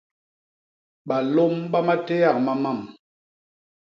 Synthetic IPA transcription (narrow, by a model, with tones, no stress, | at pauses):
ɓa˨lo˦mɓa˦ma˦te˦ja˦˨k̚ma˨ma˦˨m